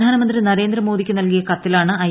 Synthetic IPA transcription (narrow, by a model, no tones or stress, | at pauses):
aːnɐmɐnd̪rinɐɾe̞ːnd̪rɐmo̞ːðikʲːɨnɐlkijɐkɐt̪ːilaːɳɨɐ